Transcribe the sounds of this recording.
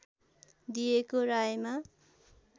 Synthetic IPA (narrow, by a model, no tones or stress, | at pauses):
d̪ijekorajma